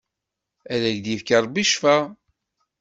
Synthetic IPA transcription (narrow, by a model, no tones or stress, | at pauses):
æðæʝd̪jifkɑɾˤbiʃfæ